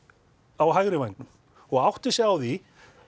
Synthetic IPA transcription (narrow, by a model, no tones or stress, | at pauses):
awɦajɣɾɪvajnt̪ʏm | ɔɣawht̪ɪsjɛawθi